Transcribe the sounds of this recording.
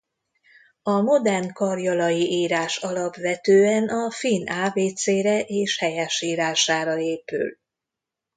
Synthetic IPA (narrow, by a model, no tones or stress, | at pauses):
ɒmo̞d̪ɛrnkɒrjɒlɒjiʔiːɾaːʃɒlɒpʋɛt̪øːɛnɒfinaːveːt̪seːɾɛʔeːʃhɛjɛʃiːɾaːʃaːɾɒeːpy̰l